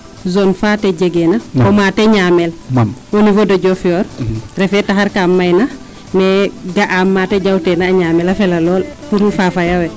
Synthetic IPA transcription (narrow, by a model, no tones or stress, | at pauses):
zɔnfatɛɟeɡɛnaɔmatɛɲaːmɛlwonivodoɟɔfijɔːɾrɛfɛtaɦaɾkamːajna | mɛɡaʔamːaːtɛɟawtɛnaːɲaːmɛlafɛlalɔːlfuɾufafajawɛ